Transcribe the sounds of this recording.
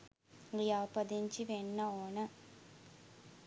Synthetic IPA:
ijaːpɐd̪iɲt͡ʃiʋenːɐoːnɐ

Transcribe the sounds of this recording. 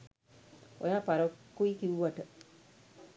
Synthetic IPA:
ojaːpaɾokːuikiʋuʋaʈə

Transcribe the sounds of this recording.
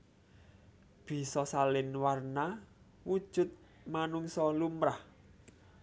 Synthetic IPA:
b̥i̤sɔsalɪnwarna | wud̥ʒ̥ʊ̤t̪̚ | manuŋsɔlumɾah

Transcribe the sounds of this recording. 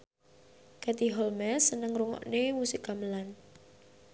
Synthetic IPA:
kɛt̪iɦɔlmɛsənəŋɾuŋɔ̰ʔnemusikaməlan

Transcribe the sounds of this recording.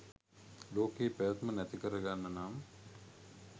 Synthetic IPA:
loːkeːpæjət̪mənæt̪ikəɾəɡanːənaːm

